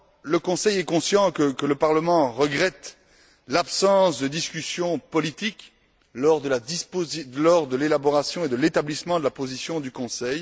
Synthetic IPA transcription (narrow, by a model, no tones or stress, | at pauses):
ləkɔ̃sɛjɛkɔ̃sjɑ̃kəkələpaʁləmɑ̃ʁəɡʁɛt̪ | lapsɑ̃sd̪əd̪iskʲysjɔ̃pɔlit̪ik | lɔʁd̪əlad̪ispozilɔʁd̪əlelabɔʁasjɔ̃ed̪əlet̪ablismɑ̃d̪əlapozisjɔ̃d̪ykɔ̃sɛj